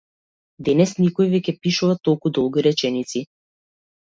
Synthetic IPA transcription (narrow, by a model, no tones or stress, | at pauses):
d̪ɛnɛsnikɔjvɛkʲɛpiʃuvat̪ɔlˠkud̪ɔlˠɡʲiɾɛt͡ʃɛnit̪si